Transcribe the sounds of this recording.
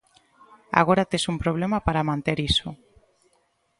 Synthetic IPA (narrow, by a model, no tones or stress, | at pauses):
a̰ɣoɾat̪esumpɾoβ̞lemapaɾamãnt̪eɾiso